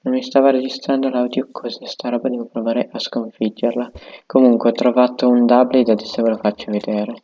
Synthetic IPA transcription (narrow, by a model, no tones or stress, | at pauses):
nonmːist̪aːvoɾed͡ʒist̪ɾand̪olawd̪jokʰozɛst̪aɾɔːbad̪ɛːvopɾovaːɾeʔaskoɱfid͡ʒːerlakomuŋkwet̪ɾovaːt̪ound̪ablid̪ad̪isevolofat͡ʃːoved̪eːɾe